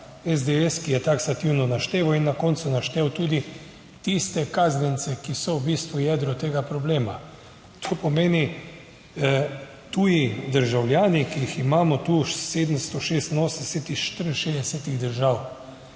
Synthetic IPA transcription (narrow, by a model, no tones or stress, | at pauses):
ɛzd̪eɛskijɛt̪aksat̪iwnɔnaʃt̪eːʋawinːakɔnt̪sunaʃt̪ewt̪uːd̪i | t̪ist̪ɛkaːznint̪sɛkisɔwbiːst̪ʋujɛd̪ɾɔt̪eːɡapɾɔbleːma | t̪ʰopɔmeːni | t̪uːjid̪əɾʒawlʲjaːnikiiximaːmɔt̪uʃsed̪əmst̪ɔʃeːst̪noːsnnɛsɛt̪ixʃt̪əɾn̩ʃezd̪ɛsɛt̪iɣd̪əɾʒaw